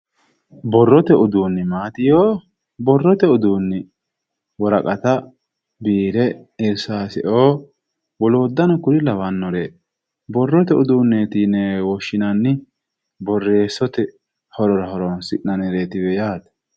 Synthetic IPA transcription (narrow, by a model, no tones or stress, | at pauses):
bɔrːɔt̪ɛʔʊd̪uːnːɪmaːt̪ɪjoː | bɔrːɔt̪ɛʊd̪uːnːɪ | wɔɾɐkʼɐt̪ɐ | biːɾɛɪɾsaːsɪʔoː | wɔloːd̪ːɐnɐkʊɾɪlɐwɐnːɔɾeː | bɔrːɔt̪ɛʊd̪uːnːeːt̪iːnɛwɔʃːɪnɐnːɪ | bɔrːe̞ːsɔt̪ɛ | hɔɾɔɾɐɦɔɾɔnsɪʔnɐnɛɾeːt̪ɪwɛjaːt̪